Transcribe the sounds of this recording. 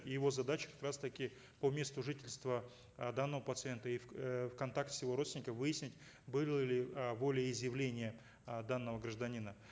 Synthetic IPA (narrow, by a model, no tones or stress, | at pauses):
ɪjɪvo̞zɐd̪at͡ɕɪ̥kɐ̥kɾast̪əkʲɪ | pomʲe̞st̪ʊʐɨtʲɪlʲst̪və | d̪anːəvəpət̪sɨent̪əiffkɐnt̪ak̚t̪ʲsjɪvo̞ɾot̪ʲɪnʲɪkəvɨjɪsʲnʲɪtʲ | bɨlˠəlʲɪvo̞lʲɪjəɪzjɪvlʲenʲɪjə | d̪anːəvəɡrəʐd̪ɐnʲinə